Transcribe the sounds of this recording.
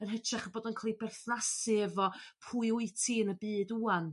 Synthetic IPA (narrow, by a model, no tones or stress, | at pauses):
ənɦət͡ʃʰraχəboːdɔnkʰalˠibɛrθnasɪəvɔpʰuɨʊɨtʰinəbɨːduːan